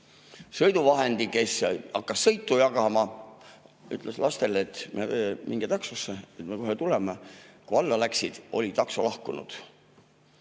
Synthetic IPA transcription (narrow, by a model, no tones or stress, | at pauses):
sɤ̞jd̪uvɑɦe̞nd̪̥ike̞sɑkːɑsːɤ̞jt̪ːujɑɡɑmɑ | y̰t̪ˑlʔeslɑst̪e̞let̪memʔiŋɡ̥et̪ɑksosːeet̪me̞ko̞ɦet̪ulemekuɑlːɑlæksid̪̥o̞̰lit̪ɑksolɑhkunṵd̪̥